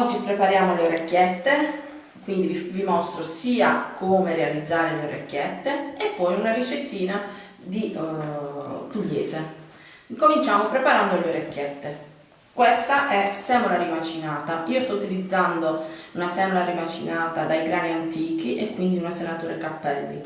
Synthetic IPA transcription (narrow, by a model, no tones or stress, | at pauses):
d͡ʒ̪ipɾepaɾjaːmoleoɾekːjɛt̪ːe | kwind̪ivimɔst̪ɾosiːakʰoːmerealid̪zːaːɾeleoɾʔekːɛt̪ːeepːɔjunarit͡ʃet̪ːiːna | d̪i | t̪uʎːḛːse | komint͡ʃaːmopɾepaɾand̪oleoɾekːjɛt̪ːe | kwest̪aʔɛsɛːmolaɾimat͡ʃinaːt̪aiːost̪ɔut̪ilid̪zːand̪ounasɛːmolaɾimat͡ʃinaːt̪ad̪ajɡɾaːniant̪iːk̟iʔekːwind̪iunasenat̪uːɾekapːɛlːḭ